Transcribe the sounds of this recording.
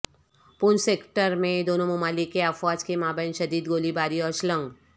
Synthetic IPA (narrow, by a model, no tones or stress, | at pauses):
pʊnseːkʈəɾmẽd̪oːnõmʊmaːlɪkːeəfwaːd͡ʒkemaːbəjnʃɐd̪iːd̪ɡoːlibaːɾiɔːɾʃlə̃ŋɡ